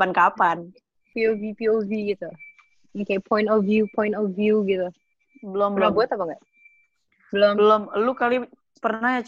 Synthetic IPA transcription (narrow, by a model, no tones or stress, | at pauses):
ankapan | piovipioviɡit̪u | okepʰɔj̃ntɔfjupʰɔj̃ntɔvjuɡit̪u | bəlombəlomɡuət̪apaka | bəlombəlomlukali | pərnahjat͡ʃ